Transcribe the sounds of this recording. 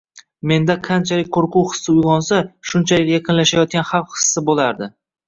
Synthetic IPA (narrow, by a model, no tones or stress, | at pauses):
me̞nd̪aqʰant͡ʃʰalɪk̚ʲqʰoɾqʊwhɨ̥sːɪʊjʁɒnsaʃʊnt͡ʃʰalɪkʲjaqʰɨnlaʃajɒt̪̚kʲanhɑwχɨ̥sːɪbolaɾd̪ɪ